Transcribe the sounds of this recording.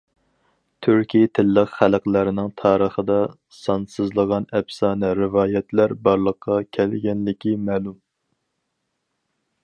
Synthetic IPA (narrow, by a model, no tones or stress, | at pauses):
t̪ʰyɾkʲijt̪ʰɪlːəqχælqlæɾɪnɪŋt̪ʰɑːɾəχəd̪ɑ | sɑnsɨzlˠəʁɑnɛpsɑːnɛɾɪvɑːjɛt̪ʰlæɾbɑɾlˠəqʰːɑkʲʰɛlɡʲɛnlɪkʲʰimɛːlum